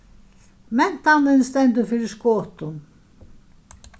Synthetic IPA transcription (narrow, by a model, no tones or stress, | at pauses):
mɛn̥t̪anːɪnst̪ɛnt̪əfɪːɾɪskɔːt̪ʊn